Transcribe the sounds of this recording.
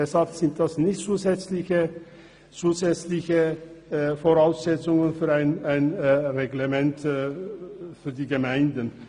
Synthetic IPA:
ɛshalpz̥ɪnt̚d̥asnɪçtt͡suːzɛt͡slɪçə | t͡suːzɛt͡slɪçə | foʁaʊsz̥ɛt͡sʊŋənfyːɐaɪnaɪnʁeɡlemɛnt | fyːɐdiːɡəmaɪndən

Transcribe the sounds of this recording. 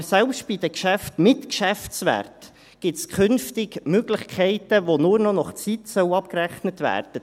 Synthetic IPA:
sɛlpʃt̚b̥id̥̪əkʃæftmɪtkʃæftsʋæ̰ːrt | ɡ̥ɪtskʰʏnftɪɡmøɡ̥lɪχkʰɛɪtəʋonuːɾnɔnɔχt͡sitsœʊɑp̚kræχnətʋæ̰ːrd̥ə

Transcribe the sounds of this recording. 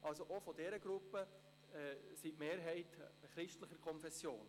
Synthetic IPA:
ʔɑlsoʔofɔdɛɾəɡ̥ɾupːə | ɛsitmeːɾɦɛɪtχɾɪʃtləχəɾkʰɔnfɛsːjo̰ːn

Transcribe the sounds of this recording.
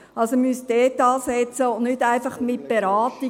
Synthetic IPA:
ɑlsomysd̥ɛːtɑːsɛt͡səʊnnʏtæɪfɑχmɪt̚b̥eɾaːti

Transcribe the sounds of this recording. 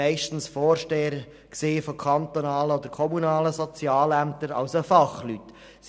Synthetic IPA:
ɛɪʃtn̩sfɔːrʃteːəɾ | kseːfokʰɑnt̪onɑːləɔd̪əɾkʰɔmunɑːləsɔt͡sjɑːlæmt̪əɾɑ̰ʊsəfɑχlyt | s

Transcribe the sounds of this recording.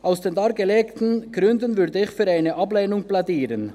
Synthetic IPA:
ʔaʊsd̥eːndɑːɐɡəleːktn̩ɡ̥ʁʏndənvʏɾdəɪçfyːɾaɪnəʔɑbleːnʊŋb̥ladiːɾən

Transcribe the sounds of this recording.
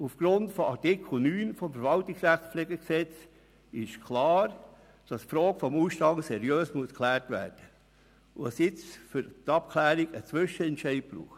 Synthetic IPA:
ufɡ̥ɾʊntfɔɑɾtɪkʰl̩nyːnfɔmfəɾvɑltiksræχt͡spfleːɡəksɛt͡s | ɪʃkʰlɑːɾ | d̥ɑsfɾɔːɡəfɔmuːsʃtɑŋsɛɾjøːsmuəskʰlæːɾtʋæ̰ːɾd̥ə | ʋɑsjɪt͡sfʏɾtɑp̚kʰlæːɾiɡət͡sʋʏʃəɛntʃɛɪt̚b̥ɾṵːχt

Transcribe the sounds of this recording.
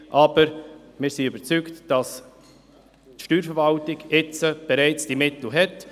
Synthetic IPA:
ʔɑːbəɾmɪːɾsiybəɾt͡syktd̥ɑs | tʃtyːɾfəɾvɑltɪɡɪt͡səb̥ɛɾɛɪt͡sd̥imɪtl̩ɦɛt

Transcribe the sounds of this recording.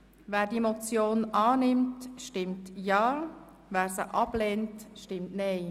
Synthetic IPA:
ʋæːɾdiemot͡sjoːnɑːnɪmtʃtɪmtjɑː | væːɾsəʔɑb̥leːntʃtɪmtnɛɪ

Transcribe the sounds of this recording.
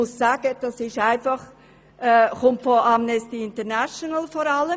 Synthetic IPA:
ʊssaːɡ̥əd̥ɑsɪʃaɪnfɑχ | ʔɛːχʊmtfɔʔamnɛstiɪntəɾnaʃɔnəlfɔːɾɑlə

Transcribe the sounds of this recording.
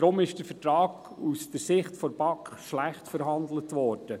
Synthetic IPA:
ɾʊmɪʃd̥əɾfətɾɑːɡ | usd̥əɾsɪχtfɔɾbɑkχʃlæχtfəɾɦɑnd̪lətʋɔːɾd̥ə

